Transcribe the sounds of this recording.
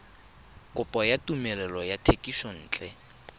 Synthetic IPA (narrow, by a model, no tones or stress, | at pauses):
kʼʊpʼɔjatʼumɛlɛlɔjatʰekʼiʃɔn̩ːt͡ɬʼɛ